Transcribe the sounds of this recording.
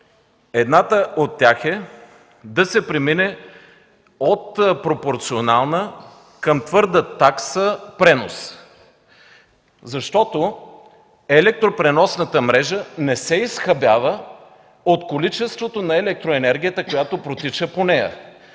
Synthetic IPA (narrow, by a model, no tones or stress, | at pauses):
ɛd̪nat̪əot̪ːjaxɛ | d̪ɐsɛpɾɛminɛ | ot̪pɾopoɾt̪sionalˠnə | kəmt̪vɤɾd̪ət̪aksəpɾɛno̰s | zɐʃt̪ɔt̪o | ɛlɛk̚t̪ɾopɾɛnɔsnət̪əmɾɛʒənɛsɛisxɐbjavə | ot̪kolit͡ʃɛst̪vot̪onɐɛlɛk̚t̪ɾoɛnɛɾɡ̟ʲijət̪əkojat̪opɾot̪it͡ʃəponɛjə̰